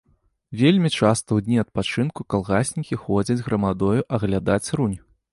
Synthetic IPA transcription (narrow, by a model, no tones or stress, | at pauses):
vʲelʲmʲit͡ʂast̪ɐwd̪ʲnʲiɐt̪̚pat͡ʂɨnkukalˠɣasʲnʲikʲixɔd͡zʲɐd͡zʲɣɾɐmad̪ɔjuʔɐɣlʲad̪at͡sʲrunʲ